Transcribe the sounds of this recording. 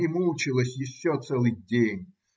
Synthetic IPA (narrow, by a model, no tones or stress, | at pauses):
ɪmulˠt͡ɕɪlˠəsʲjɪɕːot̪sɛlˠɨjdʲenʲ